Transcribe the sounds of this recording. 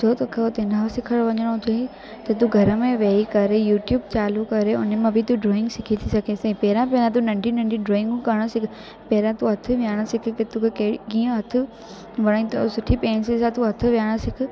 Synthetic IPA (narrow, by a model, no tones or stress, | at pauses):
sʰoːt̪oːkʰeot̪enasɪkʰəɽʋɐɲəɽ̃ʊd͡ʑʱei | t̪ɐt̪̬uɡʱɐɾəmẽʋeikɐɾejuːʈjuːbt͡ɕaːlukɐɾeʊnemãbʱɪt̪uɖɾoːɪ̃ŋɡsɪkʰit̪ʰisɐɡʱesepɛːɾãpẽnãt̪unɐ̃ɳɖinɐ̃ɳɖiɖɾoːɪ̃ŋɡkɐɽ̃osɪkʰ | pɛɦɾãt̪uɐt̪ʰʊ̆ʋjaːɽ̃əsɪkʰɪ̆ket̪ukʰekːiɡiːə̃ɦɐt̪ʰʊ̆ | ʋɐɽ̃ĩt̪osʊʈʰipẽːnsesãt̪uɐt̪ʰʊ̆ʋijaːɽ̃əsɪkʰʊ̆